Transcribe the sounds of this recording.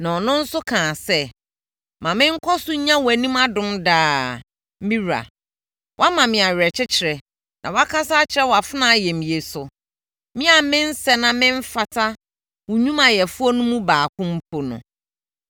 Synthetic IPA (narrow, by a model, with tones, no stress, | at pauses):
nã˨ɔ˨nʊ̃˦n̩˦sʊ˦kʰãː˨sɛ˦ | mã˨mɪ̃˦ŋ̩˦kʰɔ˦sʊ˦ɲã˦wæ˨nĩ˦ma˦dʊ̃˦mdaː˦ | mĩ˦ɾua̰˨ | wʔa˦mã˨mɪ̃˨a˨ɥɾɛ˨t͡ɕʰɪ˦t͡ɕʰɪ˨ɾɛ˨ | nʔã̰˨wɔ˦a˦kʰa˦saː˦t͡ɕʰɪ˦ɾɛ˦wɔ˨a˨fɪ˦nã˦˨jɛ˨mĩ˨e˨sʊ˨ | mɪ̃˦a˨mɪ̃˦n˦sɛ˦nã˨mɪ̃˦ɱ˦fa˨tʰa˦ | wʊ˨ɲũ˦mã˨jɛ˨fu˦ɔ˦nʊ̃˦mũ˦baː˨kʰʊ̃˦m̩˦pʰo˨nʊ̰̃˨